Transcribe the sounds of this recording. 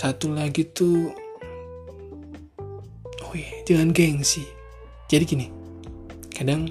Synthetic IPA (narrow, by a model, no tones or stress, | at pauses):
sat̪ulaɡit̪u | ojad͡ʒaŋanɡɛŋsɪh | d͡ʒadikini | kadaŋ